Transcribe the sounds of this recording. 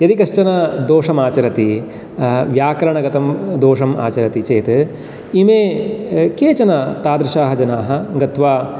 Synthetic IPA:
jɐd̪ikɐʃt͡ʃɐnɐd̪oːʂɐmaːt͡ʃɐɾɐt̪i | ʋjaːkɐɾɐɳɐɡɐt̪ɐmd̪oːʂɐma̰ːt͡ʃɐɾɐt̪it͡ʃeːt̪ | imeːkeːt͡ʃɐnɐt̪aːd̪ɾɐʃaːɦɐd͡ʒɐnaːɦɐɡɐt̪ʋaː

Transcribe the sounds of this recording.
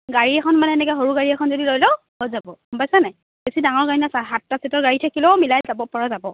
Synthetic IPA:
ɡaɹiɛkʰɔnmanɛɛnɛkɛɦoɹuɡaɹiɛkʰɔnzodilojlɔ | ɦojzabɔumpajsanaj | b̥esidaŋɔɹɡaɹinɔsaɦatːasitɔɹɡaɹitʰakilɛmilajzabɔpɔɹazabɔ

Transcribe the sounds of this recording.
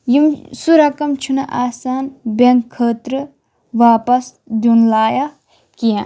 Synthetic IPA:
jimsuɾakamt͡ɕʰunaʔasanbaŋkʰət̪ɾɨ | wapas | d̪onlaja | kijan

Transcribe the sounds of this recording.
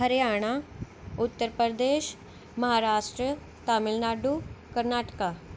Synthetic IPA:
əɾeaɽ̃a | ut̪ːəɾpəɾd̪eɕ | məɦaɾaʂʈɾə | t̪amilnaɖukəɾnaʈə̥ka

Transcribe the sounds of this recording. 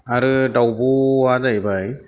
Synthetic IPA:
aɾɯdawbuazajbaj

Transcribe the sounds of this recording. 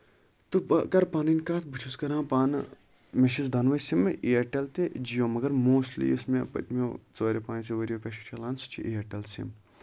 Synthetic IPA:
t̪upkɐɾpaːninʲkaːt̪ʰbɨt͡ʃʰuskɐɾãːpaːn | meʃisd̪ʱɐnʋɐjsimʔiɐʈelt̪ed͡ʒijõːmɐɡɐɾmoːstlḭusmepɐ̰t̪ʲmot͡soːɾʲepãːnseʋɐɾʲiopʲeʃʰi̥t͡ʃʰɐlãːnsu̥t͡ʃʰḭʔiɐʈelsḭm

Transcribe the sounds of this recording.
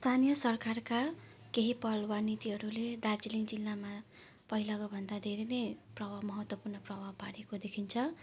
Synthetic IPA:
st̪ʰanijʌsʌrkarka | keɦipʌlwanit̪iɦʌɾuled̪ard͡ziliŋd͡zilːama | pʌɦilaɡʌbʱʌnd̪ad̪ʱeɾenejprʌbamʌɦʌt̪wʌpurnʌprʌbʱapaɾekod̪ekʰint͡sʰʌ

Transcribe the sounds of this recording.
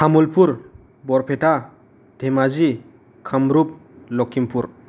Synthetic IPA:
hʰamulpuɾ | bɔɾpʰeʈa | dʱemazi | kʰamɾup̚ | lɔkʰimpuɾ

